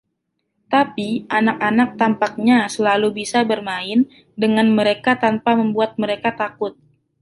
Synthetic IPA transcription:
t̪apiʔanak̚anak̚t̪ampak̚ɲasəlalubisabərmaɪn | dəŋanməɾekat̪ampaməmbuat̪̚məɾekat̪akʊt̪̚

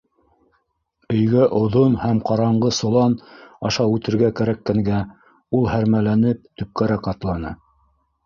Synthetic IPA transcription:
ɵ̆jɡæʔŏðonhæmqɑɾɑɴɢɤsŏlˠɑnɑʃɑʉt̪ɘ̆ɾɡækæɾækːæŋɡæ | ulˠhæɾmælænɘp̚t̪ɵ̆p̚kæɾækɑt̪lˠɑnɤ̰

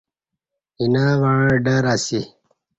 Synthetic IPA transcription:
inaːʋaɻ̃ɖaɾasi

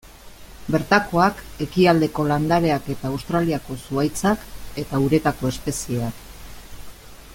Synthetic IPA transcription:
be̞ɾt̪ako̞ake̞kiald̪e̞ko̞land̪aɾe̞ake̞t̪aːwst̪ɾaliako̞suajt͡sake̞t̪auɾe̞t̪ako̞e̞spe̞sie̞ak

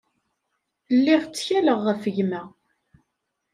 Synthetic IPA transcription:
lːiʁt͡sːçæləʁːəfəʝmæ

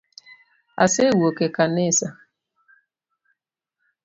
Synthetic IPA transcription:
a̰sewokekanesa

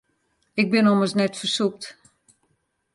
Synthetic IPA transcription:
ɪk̚bɪnɔməsnɛtfərsuk̚t

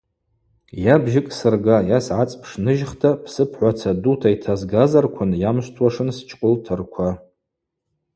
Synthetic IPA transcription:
jabʒɪkʼsɨrɡajasʕat͡sʼpʰʂnɨʒχtʰapʰsɨpʰħʷat͡sʰadutʰaitʰazɡazarkʷʰʊnjamʃʷtʰwaʂɨnst͡ʃʰʼqʼʊltʰɨrkʷʰa

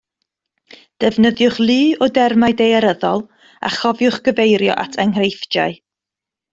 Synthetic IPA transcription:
d̥ɛvnəðjʊχlˠɨːɔdɛrmajdejaɾəðɔlˠ | a̰χɔvjʊχɡ̥əvejɾjɔ̰ʔa̰tʰaŋrejfd͡ʒa̰ɨ

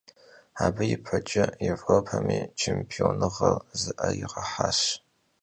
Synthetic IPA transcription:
aːbɐjɪpʰɐt͡ʃʼɐjevʷopʰɐmiːt͡ʃʰempʰionɨʁɐlzɨʔɐjɪʁɐħaːɕ

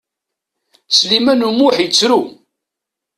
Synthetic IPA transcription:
t͡sːlimænumuħjət͡sːɾu

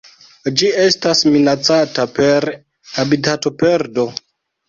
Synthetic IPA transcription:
d͡ʒie̞stasminat͡satape̞ɾ | habitato̞pe̞ɾdo̞

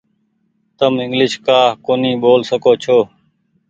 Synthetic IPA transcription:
t̪əmɪŋɡlɪʃkaːkoːniːɓoːlsəkoːt͡ʃʰoː

